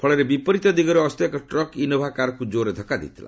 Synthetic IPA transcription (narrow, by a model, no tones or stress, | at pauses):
pʰɔɭɔɾebipɔɾit̪ɔd̪iɡɔɾeɔst̪ekɔʈɾɔkinɔbʱakaɾɔkud͡ʒoɾed̪ʱɔkad̪ḭt̪ʰila̰